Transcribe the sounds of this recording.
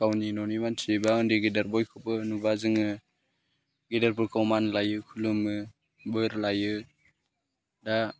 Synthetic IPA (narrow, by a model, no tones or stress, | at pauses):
kawninɔnimansʰibaɔndiɡidaɾbɔjkʰɔpɯnubazɯŋɯ | ɡidaɾpuɾkawmanlajɯkʰulumɯ | bɯɾlajɯ | da